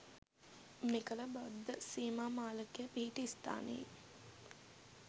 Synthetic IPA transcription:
mekələbad̪ːəsiːmaːmaːləkejəpiɦiʈəist̪a̰ːnḛi

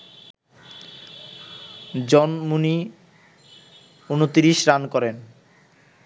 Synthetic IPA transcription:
d͡ʑɔnmuni | unut̪iɾiʃɾankɔɾen

